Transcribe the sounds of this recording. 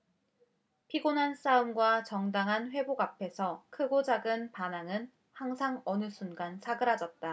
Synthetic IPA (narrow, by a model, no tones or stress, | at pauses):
pʰiɡonans͈aumɡwat͡ɕʌŋdaŋɦanɸwe̞boɡapʰe̞sʰʌkʰɯɡod͡ʑaɡɯnpanaŋɯn | haŋsʰaŋʌnɯsʰunɡant͡ɕaɡɯɾad͡ʑʌt̚t͈a